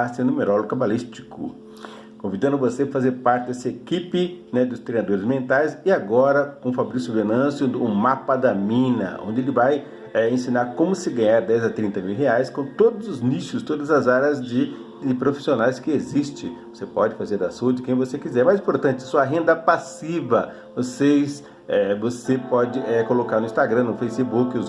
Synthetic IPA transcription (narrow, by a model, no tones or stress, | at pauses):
asɪ̃nũmeɾɔloɡʊkabalist͡ʃi̥kʊ̰ | kõvid̪ɐ̃nʊvosefazeɾpaɾt͡ʃɪd̪ɛsɐekipɪnɛd̪ʊst̪ɾejnad̪oɾɪzmẽnt̪ajsɪaɡɔɾɐkõfabɾisʊbenɐ̃sjʊũmapɐd̪ɐmĩnɐ̰õ̰nd͡ʒ̪ɪelɪvaj | ɛẽsĩnaɾkõmʊsɪɡɐ̃ɲaɾd̪ɛjzɐt̪ɾĩnt̪ɐmiwɦeajskõt̪od̪ʊzʊzniʃʊst̪od̪ɐzɐzaɾɐzd͡ʒɪ | d͡ʒɪpɾofi̥sionajskɪezist͡ʃɪ̃vosepɔd͡ʒɪfazeɾd̪ɐsuɐd͡ʒɪkẽj̃vosekizɛɾmajzĩpoɾt̪ɐ̃nt͡ʃɪɐsuɐɦẽnd̪ɐpasivɐ | vosejs | ɛvosepɔd͡ʒɪɛkolokaɾnʊĩst̪aɡɾɐ̃nʊfejsɪbukɪ